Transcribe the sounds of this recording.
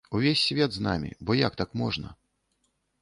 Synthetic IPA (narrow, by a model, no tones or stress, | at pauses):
uvʲesʲːvʲɛd̪znamʲḭbɔjakt̪akmɔʐnɐ̰